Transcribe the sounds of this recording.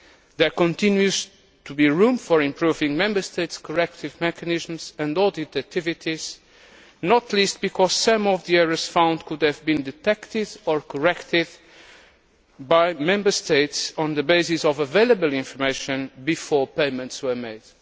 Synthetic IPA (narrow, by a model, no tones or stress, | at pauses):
ðɛɹkɔ̃nt̪ɪ̃njuz̥ | t̪ubiɹũmfɔɹɪ̃mpɹuvɪ̃ŋmɛ̃mbə˞st̪eɪtskʰɔɹɛk̚t̪ɪvmɛkɨnɪzmzɨ̃ndɔdit̪ɨt̪ʰɪvit̪ʰiz̥ | nɔt̪list̪̚b̥ikʰɔz̥sʌ̃mɔvðiɛɹəz̥fãʊ̃nd̪kud̪ɨvbĩnd̪ɨt̪ɛkt̪ɪdɔɹkʰɔɹɛkt̪ɪd̪ | bajmɛ̃mbə˞st̪eɪtsɔ̃nðəbeɪsɪsɔvəveɪlˠəbəlˠĩnfɔɹmeɪʃɨ̃nbifɔɹpẽɪmɨ̃ntswə˞meɪd̪̥